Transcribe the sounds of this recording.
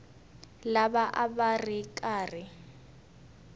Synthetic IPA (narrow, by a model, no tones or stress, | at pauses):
labaʔabarɪkʼaːrɪ